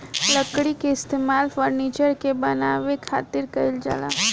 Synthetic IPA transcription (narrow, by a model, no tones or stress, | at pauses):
ləkɽikeɪst̪emalfəɾnit͡ʃəɾkebənaʋekʰa̰t̪iɾkəild͡ʒa̰la̰